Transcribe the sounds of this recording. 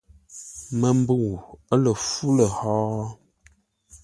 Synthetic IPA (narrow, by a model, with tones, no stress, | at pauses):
mə˨m˦bu˦˨wə˦lə˨fu˦lə˨hɔː˦